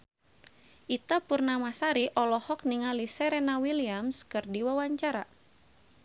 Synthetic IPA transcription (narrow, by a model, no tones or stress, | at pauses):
ʔit̪apurnamasaɾiʔɔlɔhɔk̚niŋalisɛɾɛnawiliamskɨrdiwawaɲt͡ʃaɾa